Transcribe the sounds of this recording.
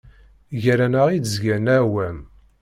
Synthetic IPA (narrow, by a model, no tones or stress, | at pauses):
ʝæɾænəʁid̪zɡænæwæm